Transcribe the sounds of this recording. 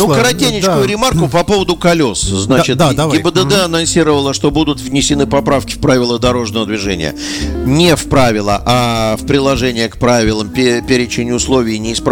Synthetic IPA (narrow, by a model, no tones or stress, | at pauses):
nukəɾɐt̪ʲenʲɪt͡ɕkʊjʊɾʲɪmarkʊpɐpo̞vəd̪ʊkɐlʲo̞sznat͡ɕɪt̪ɡʲɪbəd̪əɛɐnɐnsʲiɾəvəlˠəʂt̪o̞bud̪ʊt̪vnʲɪsʲɪnɨpɐpɾafkʲɪ̥fpɾavʲɪlˠəd̪ɐɾo̞ʐnəvəd̪vʲɪʐɛnʲɪ̰jə̰nʲɪfpɾavʲɪlˠə̰ʔafpɾʲɪlˠɐʐɛnʲɪjəkpɾavʲɪlˠəmpʲpʲeɾʲɪt͡ɕɪnʲɪʊslˠo̞vʲɪɪnʲɪːsp